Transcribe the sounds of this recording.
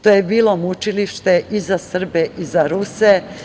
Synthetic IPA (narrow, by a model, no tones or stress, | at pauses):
t̪ojebiːlo̞mut͡ʃiliʃt̪e̞ʔizasr̩beʔizaɾuse